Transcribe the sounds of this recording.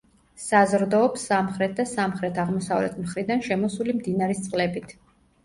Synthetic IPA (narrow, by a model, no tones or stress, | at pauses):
sazɾd̪ɔːpsːamχɾɛt̪̚d̪asamχɾɛt̪ʰaʁmɔsavlɛ̰t̪ʰmχɾid̪anʃɛmɔsulimd̪inaɾist̪sʼqʼlɛbit̪ʰ